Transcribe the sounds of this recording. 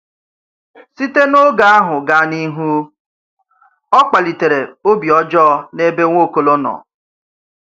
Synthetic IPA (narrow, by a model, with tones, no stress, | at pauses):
si˦te˦no˦ɡa˦a˦ɦʊ˨ɡa˦ni˦ɦu˦ | ɔ˦k͡pa˨li˨te˨ɾe˨o˦bi˨ɔ˦d͡ʒɔ˦ne˦be˦ŋʷo˦˨ko˨lo˦nɔ̰˨